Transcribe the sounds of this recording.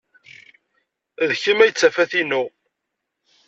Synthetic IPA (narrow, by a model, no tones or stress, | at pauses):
ðçimæjət͡sːæfæθinu